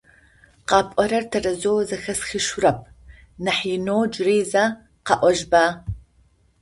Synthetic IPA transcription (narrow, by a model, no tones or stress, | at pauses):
qɑːpʼɔɾɐrtʰɐrɐzoːwzɐxɐsxiʃʊrɐp̚ʰ | nɐħiːnoːd͡ʒreːza | qɑʔʷɔʒbaː